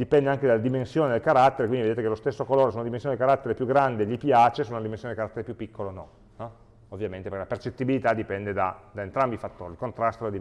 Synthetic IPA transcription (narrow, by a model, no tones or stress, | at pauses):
d̪ipɛnd̪eaŋked̪alad̪imensjoːned̪elkaɾat̪ːeɾekwind̪ied̪et̪ekelost̪esːokoloːɾesuːnad̪imẽnsjoned̪ikaɾat̪ːeɾepjuɡːɾand̪eʎipjaːt͡ʃesuːnunad̪imensjoneikaɾat̪ːeɾepjupːikːolonɔ̰ | nɔ | ovːjament̪epeɾkelapert͡ʃet̪ːibilit̪ad̪ipɛnd̪ed̪a̰d̪aent̪ɾambifat̪ːo̰ːɾilkont̪ɾast̪od̪elad̪i